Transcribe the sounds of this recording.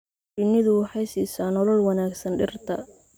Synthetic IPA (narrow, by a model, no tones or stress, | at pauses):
t͡ʃɪnːɪðʊwɑħɑjsiːsaːnɔlɔlwɑnaːɡsɐnɖɪrt̪ʰɐ